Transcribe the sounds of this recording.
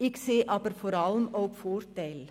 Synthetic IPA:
ɪkseːʔɑpəɾfɔɾɑlmoːɡfoːɾt̪eɪl

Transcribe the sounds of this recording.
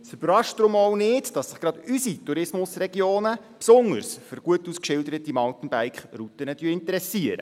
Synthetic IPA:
syb̥əɾɑʃtd̥ɾʊmɔwnɪdd̥ɑsːɪχɡ̥ɾɑd̥ysituɾɪsmʊsrɛɡjoːnə | psʊŋdə̰ɾsfəɾɡ̥uətːuskʃɪldəɾətimɑlt̪ən̩bæjkχrut̪ənəd̥yːɪntəɾɛsiəɾə̰

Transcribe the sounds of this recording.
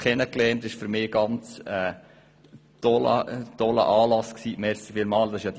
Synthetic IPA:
kʰɛnəklɛːntɪʃfʏɾmɪːɡ̥ɑnt͡sɛː | d̥ɔlə̰d̪̥ɔlə̰ʔɑːlɑsksiːʔmɛːst͡sfɪlmɑːld̥̪ɑsɪʃjɑːd̥̪

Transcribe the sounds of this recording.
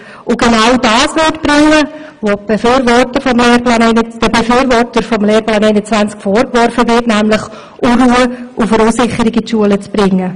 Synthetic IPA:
ʊɡ̥enawdɑːsʋɪtb̥ɾɪŋːə | ʋob̥efyːɾvɔrtəfɔmleːɾplɑːnɛɪnəd̥əbefyːɾvɔɾtəɾfɔmleːɾplɑːnɛɪnət͡sʋænt͡skfɔːɾkvɔɾfəvɪtnæmləχ | ʔuruːəʔʊfəɾusɪχəɾɪɡitʃuələt͡sb̥ɾɪŋːə

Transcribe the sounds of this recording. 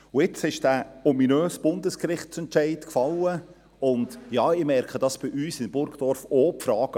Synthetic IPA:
ʊɪt͡sɪʃd̥æɔminøːsb̥ʊndəskrɪχtt͡sɛntt͡ʃɛɪtkfɑlːə | ʊndjɑːɪmɛɾkχəd̥ɑsb̥ɪʔyːsɪnmb̥ʊɾɡd̥ɔɾfoːpfɾɑːɡ̥ə

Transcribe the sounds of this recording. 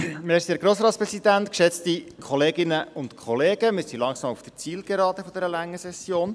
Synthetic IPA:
mɪsiæɾɡɾoːsɾɑːt̪spɾɛsidænt̪kʃɛt͡st̪ikʰɔleːɡɪnəʔʊnt̪kʰɔleːɡ̥əmɪɾsilɑŋsɑmufd̥ə̥t͡siːlɡ̥ɛɾɑːt̪əfɔd̥̪ɛːɾəlæŋːəsɛsjoːn

